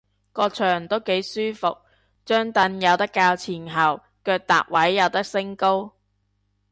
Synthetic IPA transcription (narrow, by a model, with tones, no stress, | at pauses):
kɔː˧k̚t͡ʃʰœː˨˩ŋt̪o˥wke˨˥jsyː˥fʊ˨k̚ | t͡ʃœː˥ŋt̪ɐ˧njɐ˨˧wt̪ɐ˥kːaː˧wt͡sʰiː˨˩nɦɐ˨˩w | kœː˧k̚t̪a̰ː˨k̚wɐ˨˥jːɐ˨˧wt̪ɐ˥k̚sɪ˥ŋko˥w